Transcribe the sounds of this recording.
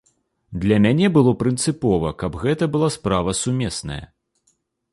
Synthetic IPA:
d̪lʲɐmʲanʲɛbɨlˠɔpɾɨnt̪sɨpɔvɐkɐbɣɛt̪ɐbɨlˠaspɾavɐsumʲɛsnɐ̰jɐ̰

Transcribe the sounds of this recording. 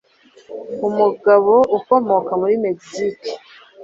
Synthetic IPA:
umuɡaβoʔuko̞mo̞kamuɾimeɡsiki̥

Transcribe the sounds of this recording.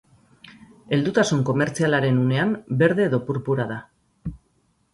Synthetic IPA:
e̞ld̪ut̪asuŋko̞me̞ɾt͡sialaɾe̞nune̞ambe̞ɾðe̞ːðo̞puɾpuɾaða

